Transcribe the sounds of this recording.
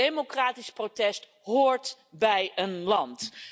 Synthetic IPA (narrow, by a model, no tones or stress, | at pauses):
ejmokraːtisprotɛst | ɦoːɹt | bɛjənlɑnt